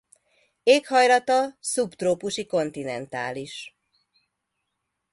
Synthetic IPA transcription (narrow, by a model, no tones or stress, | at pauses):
eːkhɒjlɒt̪ɒsupt̪roːpuʃiko̞n̪t̪inɛnt̪a̰ːliʃ